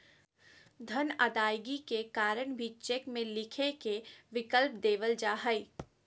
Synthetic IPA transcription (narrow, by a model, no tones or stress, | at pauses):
d̪ʱənəd̪aːjɡikekaːɾəɽ̃bʱit͡ʃɛkmẽlɪkʰekeʋɪkəlp̚d̪eːʋəld͡ʒaːɦəi